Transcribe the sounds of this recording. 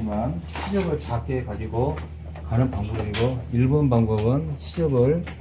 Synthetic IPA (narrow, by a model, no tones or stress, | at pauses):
imanɕʰid͡ʑʌbɯɭt͡ɕak͈e̞kad͡ʑiɡo | kanɯnpaŋbʌbɯbiɡoiɭbonpaŋbʌbɯnɕʰid͡ʑʌbɯɭ